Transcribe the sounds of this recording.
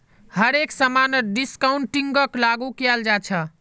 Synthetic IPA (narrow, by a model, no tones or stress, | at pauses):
həɾeksəmanəɖiskauɳʈiŋɡəklaɡukjald͡ʒat͡ʃʰə